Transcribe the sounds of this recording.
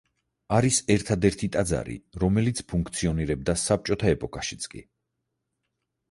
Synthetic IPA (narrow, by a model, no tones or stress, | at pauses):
aɾisɛɾt̪ʰad̪ɛɾt̪ʰit̪ʼad̪za̰ɾḭɾɔmɛlit̪sʰpʰuŋk̚ʰt̪sʰiɔniɾɛb̚d̪asap̚t͡ʃʼɔt̪ʰaɛpʼɔkʼaʃit̪sʰkʼḭ